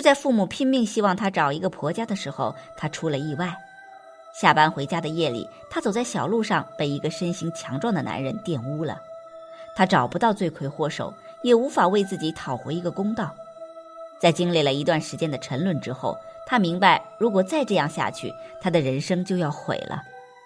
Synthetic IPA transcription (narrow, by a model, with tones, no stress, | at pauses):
t͡ɕo˥˧t͡sa˥˧ɪfu˥˧˩mu˨˩pʰi˥ŋmi˥˧ŋɕi˥wɑ˥˩ŋt̪ʰa˥ʈ͡ʂɑ˨˩ʊi˧˥ɡə˧pʰwɔ˧˥t͡ɕja˥d̪ə˨ʂɻ̩˧˥xo˥˧ʊt̪ʰa˥ʈ͡ʂʰu˥lə˨i˥˧wa˥˩ɪ | ɕja˥˩pa˥nxwe˧˥ɪt͡ɕja˥d̪ə˨jɛ˥˩lḭ˨˩t̪ʰa˥t͡so˨˩ʊt͡sa˥˩ɪɕjɑ˨˩ʊlu˥˧ʂɑ˥˩ŋpe˥˨˩ɪi˧˥ɡə˧ʂə˥nɕi˧˥ŋt͡ɕʰjɑ˧˥ŋʈ͡ʂwɑ˥˩ŋd̪ə˩na̰˧˥nɻə˧˥nt̪jɛ˥˩nu˥lə̰˨t̪ʰa˥ʈ͡ʂɑ˨˩ʊpu˧˥t̪ɑ˥˧ʊt͡swe˥˩ɪkʰwe˥˩ɪxwɔ˥˩ʂo̰˨˩˦ʊ | jɛ˨˩u˧˥fa˨˩we˥˧ɪt͡sɹ̩˥˩t͡ɕi˧˥t̪ʰɑ˨˩ʊxwɔ̰˧˥i˧˥ɡə˧kʊ˥ŋt̪ɑ˥˩ʊ | t͡sa˥˩ɪt͡ɕi˥ŋli˥˩lə˩i˧˥t̪̬wa˥˩nʂɻ̩˧˥t͡ɕjɛ˥nd̪ə˨ʈ͡ʂʰə˧˥nlwə˥˩nʈ͡ʂɻ̩˥xo˥˩ʊt̪ʰa˥mi˧˥ŋba˧ɪɻu˧˥kwɔ˨˩t͡sa˥˧ɪʈ͡ʂɤ˥˧jɑ˥˧ŋɕja̰˥˧˩t͡ɕʰy̰˥˩t̪ʰa˥d̪ə˨ɻə˧˥nʂɤ˥ŋt͡ɕjo˥˧ʊjɑ˥˩ʊxwḛ˨˩ɪlʔə̰˦